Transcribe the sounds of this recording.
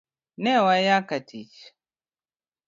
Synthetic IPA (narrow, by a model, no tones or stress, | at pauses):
nɛwajakatʰit͡ʃ